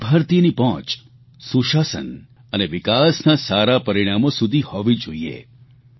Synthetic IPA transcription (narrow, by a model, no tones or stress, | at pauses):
bʱəɾt̪inipɔ̃t͡ʃ | suʃasə̰n | əneʋɪkasnasaɾapəɾiɽ̃amosud̪ʱihɔʋid͡ʒoiḛ